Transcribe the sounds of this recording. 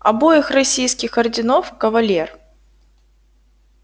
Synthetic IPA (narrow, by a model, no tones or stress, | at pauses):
ɐbojɪxrɐsʲijskʲɪxɐrdʲɪnofkəvɐlʲer